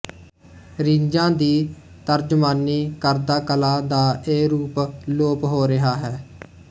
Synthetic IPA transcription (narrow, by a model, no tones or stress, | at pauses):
ɾĩɲd͡ʒãːd̪iː | t̪əɾd͡ʒʊmaːnːiːkəɾd̪aːkəlaːd̪aːeːɾuːploːpɦoːɾɪɦaːɦɛː